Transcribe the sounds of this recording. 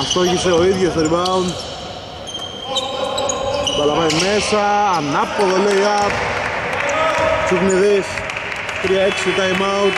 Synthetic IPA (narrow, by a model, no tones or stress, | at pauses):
ɐft̪oçiseoiðʝost̪oɾimɐun | b̪ɐlɐpɐimesɐːnɐpːoðoleiɐp | t͡siɣniðis | t̪ɾiɐeksit̪ɐimawt̪